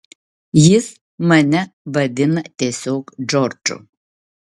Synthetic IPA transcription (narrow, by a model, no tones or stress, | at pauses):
jɪs | mɐnʲɛbɐd̪ʲɪnɐt̪ʲiɛsʲoːkd͡ʒɔrd͡ʒʊ̰